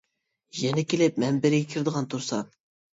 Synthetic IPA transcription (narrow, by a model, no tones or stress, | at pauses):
jɛnɛkʲʰelɪp̚mɛmbɪɾɪɡʲɛkʲʰiɾɪd̪əʁɑnt̪ʰuɾsɑ